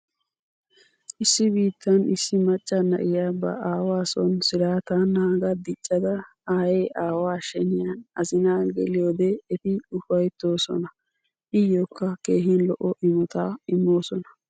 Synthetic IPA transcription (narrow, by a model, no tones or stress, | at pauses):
ʔɪsːɪbiːt̪ːɐnɪsːɪmɐt͡ʃʼːɐnːɐ̰ʔɪjabɐ̰aːwaːsɔnsɪɾaːt̪anːaːɡɐd̪ɪt͡ʃʼːɐd̪ɐ | aːjeːʔaːwaːʃɛnɪjanɐzɪnaːɡɛ̰lɪjoːd̪eːt̪ɪʊfɐjt̪ːo̞ːsɔ̰nɐ | ʔɪjoːkːɐkeːɦɪnlɔʔɔʔɪmɔt̪aːɪmːo̞ːsɔnɐ̥